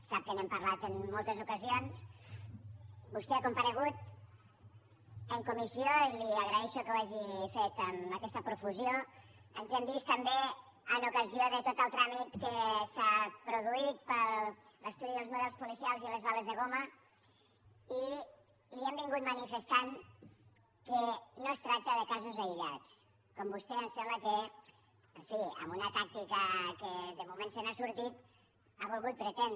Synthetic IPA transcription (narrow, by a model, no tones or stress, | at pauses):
sap̚kənɛmpəɾlat̪ənːolˠt̪əzukəzions | bust̪ɛəkumpəɾəɣut̪ | əŋkumisioiliəɣɾəɛʃokəwaʒifet̪əməkɛst̪əpɾufuzio | ənzɛmbist̪əmbe | ənukəzioðət̪ot̪əlˠt̪ɾamit̪kəsapɾuðuit̪̚pəɾ | ləst̪uðiðəlˠzmuðɛlˠspulisialˠziləzβaləzðəɣomə | i | liɛmbiŋɡut̪mənifəst̪aŋ | kənost̪ɾak̚t̪əðəkazuzəiʎa̰t͡s | kombust̪ɛənsɛmləkə | əɱfiə̰mbunət̪ak̚t̪ikəkəðəmumensənasuɾt̪it̪ | aβulˠɣut̪̚pɾət̪ɛn